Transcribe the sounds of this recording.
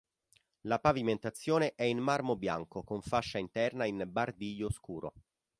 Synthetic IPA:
lapaviment̪at̪sːjoːneʔɛinmarmobja̰ŋkokoɱfaʃːaint̪ɛrnainbard̪iʎːoskuːɾʔo̰

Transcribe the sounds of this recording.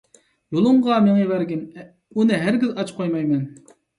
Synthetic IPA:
jolˠʊmʁɑmeŋevæɾɡʲin | unɪɦæɾɡʲizɑt͡ʃqʰojmɑjmɛn

